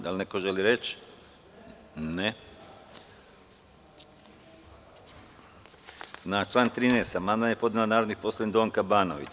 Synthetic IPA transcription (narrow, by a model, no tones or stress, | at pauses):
d̪alʲneko̞ʒeliɾet͡ʃ | ne | nat͡ʃlˠaːnt̪ɾiːneːst̪amand̪manjepo̞d̪ilanaːɾod̪nixposlˠajenʲd̪oːŋkabaːnoʋḭt͡ɕ